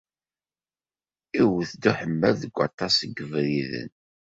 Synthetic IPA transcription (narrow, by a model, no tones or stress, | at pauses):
iwəθd̪uħəmːæðəɡʷɑt̪ˤːɑsəɡəvɾiðə̰n